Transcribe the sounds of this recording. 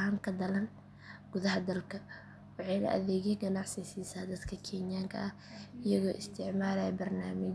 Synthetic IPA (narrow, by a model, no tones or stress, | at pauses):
haːŋkʰɐd̪ɐlɐn | ɡ̥ʊðɐɦɐd̪ɐlkʰɐ | wɑħɑjnɐ̰ʔɐ̰ðɛːɣɛɡɐnɑʕsɪsisaːd̪ɐd̪kʰɐkʰɛːnɪjaːŋkʰɐ̰ɐh | ɪjɐɣɔːʔɪst̪ʰɪʕmaːlɐjɛbɐrnaːmɪ